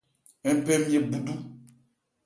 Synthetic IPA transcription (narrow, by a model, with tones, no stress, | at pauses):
ɛ˦m˦pɛ˦mje˦bu˨du˦